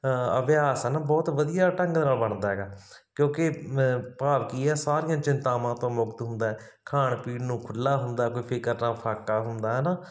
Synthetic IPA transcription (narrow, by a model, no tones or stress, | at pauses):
ə̰ʋjaːsɛːnaːbɔːt̪ʋəd̪ijaːʈə̃ŋɡd̪naːlbəɳd̪aːɦɛːɡaː | kjõːkepaːʋkiːɦɛːsaːɾɪjãːt͡ʃɪnt̪aːmãːt̪õːmʊɡt̪ɦʊnd̪aːɛː | kʰaːɳpiːnnũːkʰʊlːaːɦʊnd̪aːkoiːpʰɪkəɾnãːpʰaːkaːɦʊnd̪aːɦɛːnaː